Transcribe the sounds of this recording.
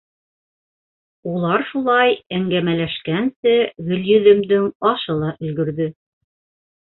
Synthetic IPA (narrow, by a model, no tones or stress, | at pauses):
ulˠɑɾʃulˠɑjæŋɡæmælæʃkænsɘɡɵ̆ljɵ̆ðɘ̆md̪ɘŋɑʃɤlˠɑʔɵ̆lɡɵ̆ɾðɵ